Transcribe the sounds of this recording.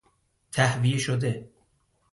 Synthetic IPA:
t̪ʰæhvijeʃod̪e

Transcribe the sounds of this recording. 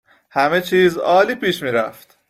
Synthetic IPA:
hæme̞t͡ʃʰiːzɒːliːpʰiːʃmiːɾæ̰ft̪

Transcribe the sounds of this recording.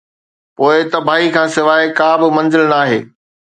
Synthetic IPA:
poːɪt̪ɐbʱaːɦikʰãːsɪʋaːekaːbɪmɐ̃nzɪlnaːɦḛː

